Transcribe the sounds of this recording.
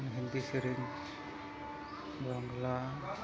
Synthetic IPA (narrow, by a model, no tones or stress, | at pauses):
nɦind̪isəɾin | bɾɔŋɡla